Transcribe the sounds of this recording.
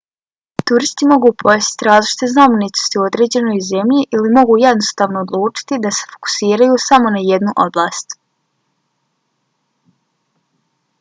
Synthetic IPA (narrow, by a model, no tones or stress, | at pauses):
t̪uɾist̪imo̞ɡuːpʰojest̪i̥t̪iɾaːzlit͡ʃi̥t̪e̞znamenit̪o̥st̪iuo̞d̪ɾe̞ːd͡ʑe̞no̞jze̞mʎiʔilimo̞ɡuːje̞d̪no̞st̪aːʋno̞ːd̪lˠuːt͡ʃi̥t̪id̪ase̞̥fo̞̥ku̥siːɾajuːsamo̞naje̞d̪nuʔo̞blˠaːst̪